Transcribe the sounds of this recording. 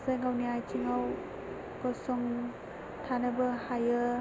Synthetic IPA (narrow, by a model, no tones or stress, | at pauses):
zajŋawniajtʰiŋaw | kɔsɔŋ | tʰanɯbɯhajɯ